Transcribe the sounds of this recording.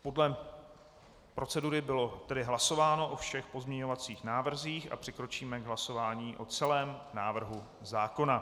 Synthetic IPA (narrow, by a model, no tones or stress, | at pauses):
po̞dlɛ | pɾo̞t͡sɛduɾɪbɪlo̞t̪ɛdɪɦlaso̞vaːno̞ʔofʃɛxpo̞zmɲɛɲo̞vat͡siːxnaːvr̩ziːxʔa̰pr̥ɪkɾo̞t͡ʃiːmɛɡɦlaso̞vaːɲiːʔo̞t͡sɛlɛːmnaːvr̩ɦu | zaːko̞na